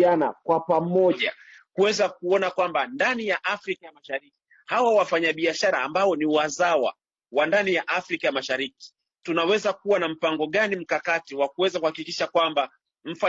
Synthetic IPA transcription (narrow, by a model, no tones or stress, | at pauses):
ana̰kwapamɔʄa | kuwɛzak̚uɔnakwambandanijaʔafɾikajamaʃaɾiki̥ | hawawafaɲaɓiaʃaɾaːmbaɔniwazawa̰ | wandanijaʔafɾikajamaʃaɾiki̥ | tunawɛzakuwanam̩paŋɡɔɠanim̩kakatiwak̚uwɛzakuhakikiʃakwamba | m̩fa